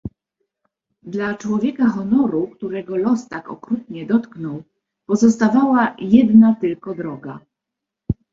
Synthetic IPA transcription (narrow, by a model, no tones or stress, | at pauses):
d̪lat͡ʂwɔvʲjɛkaxɔnɔɾukt̪uɾɛɡɔlɔst̪akɔ̰kɾut̪ɲɛd̪ɔt̪knɔw | pɔzɔst̪avawajɛd̪nat̪ɘlkɔd̪ɾɔɡa